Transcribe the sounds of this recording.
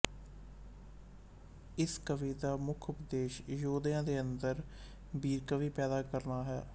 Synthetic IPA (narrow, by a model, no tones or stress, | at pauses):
ɪskəʋiːd̪aːmʊkʰʊpəd̪eːʃjoːd̪jãːd̪eːənd̪əɾ | biːɾkəʋiːpɛːd̪aːkəɾnaːɦɛː